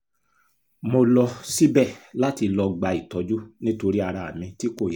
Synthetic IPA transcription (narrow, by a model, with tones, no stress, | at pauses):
mo˧lɔ˧si˦bɛ˦˨la˨˦ti˧lɔ˧ɡ͡ba˧i˨tɔ˨˧d͡ʒu˦nĩ˦to˧ɾi˦a˧ɾa˨a˨mĩ˧ti˦ko˦˨j